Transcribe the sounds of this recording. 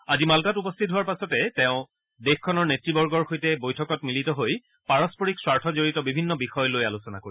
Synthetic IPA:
azimaltatupɔstʰit̚ɦuaɹpasɔtɛtɛʊ̃ | dexkʰːɔnɔɹnetɹibɔɹɡɔɹxojtɛbojtʰɔkɔtmilitɔɦoj | paɹɔspoɹikswaɹtʰɔzoɹitɔbibʱinːɔbixɔjɔlojalusɔna̰koɹi

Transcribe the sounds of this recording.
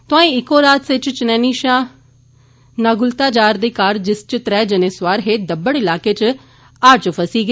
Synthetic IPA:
t̪ʊãːĩːɪkːoːɾaːt̪sɪt͡ʃt͡ʃənɛːniːʃãː | naːɡʊlt̪aːd͡ʒaːɾd̪eːkaːɾd͡ʒɪst͡ʃət̪ɾɛːd͡ʒənẽːsʋaːɾɦeːd̪əbːəɽɪlaːkeːt͡ʃ | aːɾt͡ʃpʰəsiːɡeː

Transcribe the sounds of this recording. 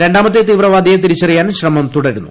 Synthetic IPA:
ɾe̞ɳɖaːmɐt̪ːet̪iːʋrɐʋaːd̪ʱijet̪̬iɾit͡ɕːɐrijaːnɕrɐmɐmt̪uɽɐɾunːṵ

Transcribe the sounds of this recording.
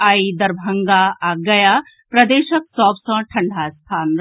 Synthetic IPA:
aid̪ɐɾbʱɐŋɡaʔaɡɐja | pɾɐd̪eːʃɐksɔːbsɐ̃ʈʰɐɳɖʱast̪ʰaːnɾ

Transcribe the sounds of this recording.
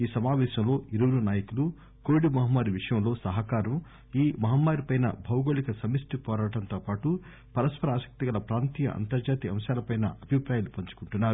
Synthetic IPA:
iːsɐmaːʋɛːʃɐmlo̞ːiɾuʋɐɽunaːjɐkulu | koːʋiɽimɐɦɐmːaːɾiʋiʂɐjɐmlo̞ːsɐɦɐkaːɾɐm | iːmɐɦɐmːaːɾipɐjnɐ̰bʱɐwɡoːɭikɐsɐmisʈipɔːɾaːʈɐnt̪oːpaːʈu | pɐɾɐspɐɾaːsɐ̥k̚t̪iɡɐlɐpɾaːnt̪iːjɐ̰ʔɐ̰nt̪ɐɾd͡ʒaːt̪iɐmʃaːlɐpɐjnɐ̰ʔɐbʱipɾaːjalupɐɲt͡ʃu̥kuɳʈunːaːɾu

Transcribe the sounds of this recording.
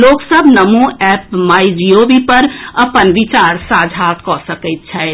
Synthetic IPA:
loːksəbʱnəmũɛpmaːjd͡ʒiobipəɾəpənʋɪt͡ʃaːɾsaːd͡ʒʱat̪kɔsəkət̪̚t͡ʃʰɛ

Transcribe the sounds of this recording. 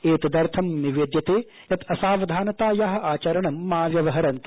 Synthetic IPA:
eːt̪ɐd̪ɐɾt̪ʰɐmniʋeːd̪jɐt̪eː | jɐt̪ɐsaːʋɐd̪ʱaːnɐt̪aːjaːɦɐ̆ʔaːt͡ʃɐɾɐɳɐmːaːʋjɐʋɐɦɐɾɐnt̪

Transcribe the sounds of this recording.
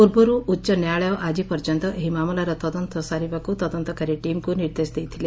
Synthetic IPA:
puɾbɔɾuːtːʃɔnjaɭɔjɔʔad͡ʒipɔɾd͡ʒɔnt̪ɔʔeɦimamulaɾɔt̪ɔd̪ɔnt̪ɔsaɾibakut̪ɔd̪ɔnt̪ɔkaɾiʈimkuniɾd̪esd̪ejt̪ʰile

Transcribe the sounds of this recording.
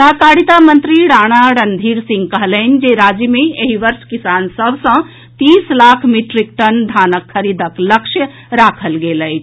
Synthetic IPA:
t̪akaɽit̪amənt̪ɾiɽaɽ̃aɽənd̪ʱiɾsĩŋɡkəɦlən̆d͡ʒeɾad͡ʒjəmeeɦiʋəɾʃkisansəbʱsə̃ | t̪islakʰmiʈɾik̚ʈənd̪ʱanəkʰːəɾid̪əkləkʃjə | ɾakʰəlɡeləjt͡ʃʰ

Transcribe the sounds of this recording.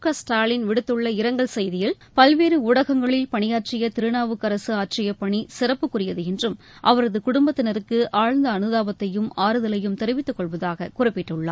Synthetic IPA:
kɐsʈaːlɪnʋɪɽɯt̪ːɯɭːɐɪɾɐŋɡɐɭsɛjðɪjɪl | pɐlʋeːɾɯʊɽɐɣɐŋɡɐɭɪlpɐɳɪjaːʈt͡ʃɪjɐt̪ɪɾɯnaːʋɯkːɐɾɐsɯaːʈt͡ʃɪjɐpːɐɳisɪrɐpːɯkːʊrɪjɐðɯɛndrɯm | ʔɐʋɐɾɐðɯkʊɽʊmbɐt̪ːɪnɐɾɯkːɯʔaːɻnd̪ɐːnɯðaːʋɐt̪ːɐjɯmaːɾɯðɐlɐjɯmt̪ɛɾɯʋɪt̪ːɯkːɔɭʋɐðaːɣɐkʊrɪpːɪʈːɯɭːa̰ː

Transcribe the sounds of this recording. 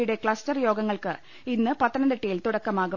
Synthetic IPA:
juɽe̞kɭɐstɐrjo̞ːɡɐŋːɐɭkɨ | inːɨpɐt̪ːɐnɐnd̪eʈːijilt̪uɽɐkːɐmaːɣu

